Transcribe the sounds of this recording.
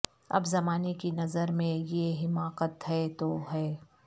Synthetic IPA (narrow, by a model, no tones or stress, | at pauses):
ɐ̰bzɐmaːnekinɐzəɾmẽjeɦɪmaːqət̪ɦɛt̪oɦɛː